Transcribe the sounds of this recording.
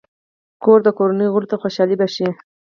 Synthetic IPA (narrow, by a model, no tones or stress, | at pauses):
koɾd̪əkoɾanəjɣʊɾut̪axoʃɑlibaʃi